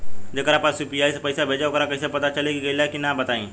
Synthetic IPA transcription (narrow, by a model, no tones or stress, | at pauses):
d͡ʑekəɾapasipiaːjspəjsabʱed͡ʒaokəɾakəjsapɐt̪at͡ʃəlekiɡeljakinabət̪aĩ